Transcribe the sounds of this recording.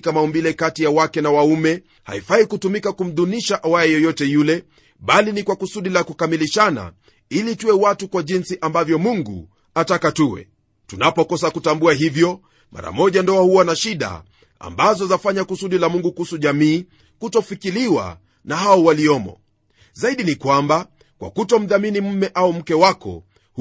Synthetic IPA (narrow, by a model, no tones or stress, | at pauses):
kamaumbilɛkatijawakɛnawaumɛ | ha̰ifahikutumikakum̩ðuniʃaʔawajɛjɔjɔtɛjulɛ | ɓalinikwakusuɗilakukamiliʃana̰ | ilituwɛwatukwaʄinsiʔambavjɔmuŋɡṵ | atakatuwɛ̰ | tunapɔkɔsakutambuaɦivjɔ | ma̰ɾa̰mɔʄandɔahuwanaʃiɗa̰ | a̰mbazɔzafaɲakusuɗilamuŋɡukuhusuʄamiː | kutɔfikiliwa̰ | naɦaɔwaliɔmɔ̰ | zaiɗinikwamba | kwa̰kutɔm̩ðaminim̩mɛʔaum̩kɛwakɔ̰ | h